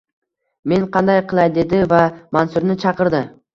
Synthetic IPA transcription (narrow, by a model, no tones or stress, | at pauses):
me̞nqʰɑnd̪ajqɨlˠajd̪e̞d̪ɪvamansʊɾnɪt͡ʃʰɑqɨɾd̪ɪ